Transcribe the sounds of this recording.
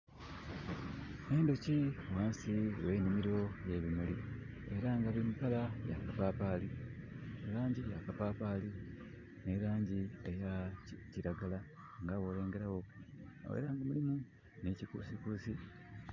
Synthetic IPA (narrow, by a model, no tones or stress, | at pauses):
eːndo̞ciwaːnsiwe̞ːnimiɾo̞je̞βimuli | e̞ɾaŋɡaβimukalaja̰kapaːpaːlinelaːɲɟija̰kapaːpaːli | ne̞ɾaːɲɟie̞jaciɾaɡala | ŋɡaːβoːleːŋɡe̞ɾawo̞o̰wḛɾaːŋɡamulimu | necikṵːsikusi